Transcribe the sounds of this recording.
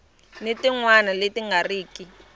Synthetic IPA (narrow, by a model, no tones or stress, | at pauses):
nɪtiŋwanaletiŋɡariːki